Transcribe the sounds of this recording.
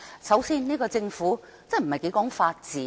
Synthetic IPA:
sɐ˨˥wsiː˥nniː˥kɔː˧t͡sɪ˧ŋfuː˨˥ | t͡sɛ˥˩m̩˨˩hɐ˨˩jke˨˥kɔː˨˥ŋfaː˧t̚t͡siː˨˦

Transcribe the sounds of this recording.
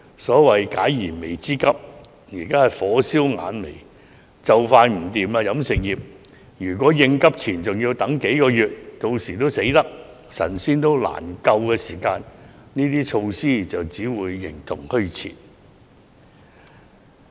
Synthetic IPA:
sɔː˨˥wɐ˨jkaː˨˥jːiː˨˩nme˨˩jt͡siː˥kɐ˥p̚ | jiː˨˩kaː˥hɐ˨jfɔː˨˥siː˥wŋa̰ː˨˧nmḛ˨˩j | t͡sɐ˨wfaː˧nm̩˨˩t̪iː˨maː˧jɐ˨˥msɪ˨k̚jiː˨˩p̚ | jyː˨˩kʷɔː˨˥jɪ˧ŋkɐ˥p̚t͡sʰiː˨˩nt͡sʊ˨ŋjiː˧wt̪ɐ˨˥ŋke˨˥jkɔː˧jyː˨t̚t̪o˧wsiː˨˩t̪̬o˥wse˨˥jt̪ɐ˥k̚ | sɐ̰˨˩nsiː˥nt̪o˥wla̰ː˨˩nkɐ˧wkɛː˧siː˨˩kaː˧nniː˥t̪iː˥t͡ʃʰo˧wsiː˥t͡sɐ˨wt͡siː˨˥wuː˨˧jːɪ̰˨˩ŋt̪ʰʊ˨˩ŋhɵ˥ɥt͡sʰḭː˨˩n

